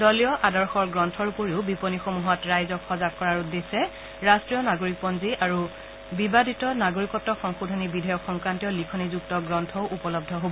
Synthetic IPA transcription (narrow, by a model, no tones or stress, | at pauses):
dɔlijɔʔadɔɹxɔɹɡɹɔntʰɔɹpoɹiʊbiponixomuɦɔtɹajzɔkʰxɔzakkːɔɹaɹudesɛ | ɹastɹijɔnaɡoɹik̚pɔnziʔaɹu | bibadʱitɔnaɡoɹikɔtːɔxɔŋxodʱonibidʱɔjɔkxɔŋkɹantiɔlikʰɔnizuktɔɡɹɔntʰɔʊʔupɔlɔb̚dʱɔɦobɔ